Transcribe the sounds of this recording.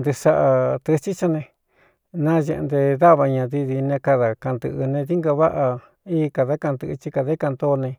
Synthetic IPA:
nd̪e˧sa˦˧ʔa˧t̪ɨ˧t͡ʃi˦t͡ʃa˧nẽ˧ | nã˦ʒe˧ʔnd̪e˧ða˦βa˧ɲã˧ði˧ði˧nẽ˧ka˧ða˨ka˧nd̪ɨ̰˧ʔɨ˧nẽ˧ði˦ŋɡa˧βa˦ʔa˧ | iː˦˧ka˧ða˧˦ka˧nd̪ɨ˧ʔɨ˧t͡ʃi˧ka˧ðe˦ka˧nd̪o˧nẽ˧

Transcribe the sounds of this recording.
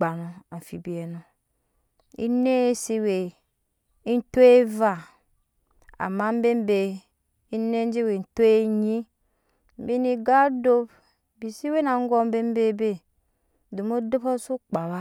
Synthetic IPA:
ɡ͡ba˨no˨a˨fi˨bi˨e˨no˨ | ḭ˦ne˦si˦we˨ | i˦n̩˦to˦e˦va˨ | a̰˨ma˦m̩˦be˦m˦be˨ | i˦ne˦d͡ʒe˦we˨n̩˨to˦e˦ɲi˦ | m̩˨bi˦ni˨ɡa˦do˦b | bi˨si˦we˦na˨˦ŋ˦ɡɔ˦m̩˦be˦m˦be˦be˦ | do˨mo˦de˦po˦su˦k͡pa˨βa˦

